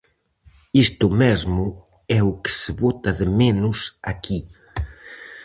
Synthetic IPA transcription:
ist̪ʊmɛzmʊ | ɛukɪ̥seβɔt̪ɐðemenʊsaki

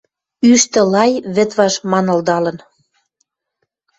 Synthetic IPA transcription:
yʃt̪ə̆lɑjβɘ̆t̪βɑʃmɑnə̆ld̪ɑlə̆n

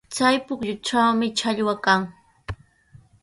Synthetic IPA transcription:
t͡sajpʊkʎʊʈ͡ʂawmɪt͡ʃaʎwakaŋ

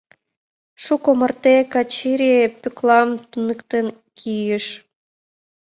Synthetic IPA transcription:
ʃukomə̆rt̪ekɑt͡ɕiɾʲepyklˠɑmt̪unəkt̪en | kʰijəʃ

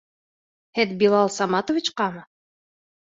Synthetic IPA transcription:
heðbilˠɑlˠsɑmɑt̪ovʲit͡ɕqɑmɤ

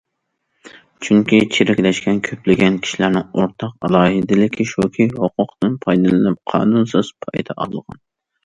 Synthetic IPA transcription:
t͡ʃʰyŋkʲit͡ʃʰeɾɪkʲlɛʃkʲɛnkʲʰøplɪɡʲɛnkʲʰi̥ʃilæɾnɪŋoɾt̪ʰɑqɑ̰lˠɑːɦɨd̪ɪlɪkʲʰiʃokʲʰihoqʰʊqt̪ɨnpʰɑjd̪ɨlˠɨnɪp̚qʰɑ̰ːnunsɨz̥pʰɑjd̪ɑʔɑ̰lˠʁɑ̰n

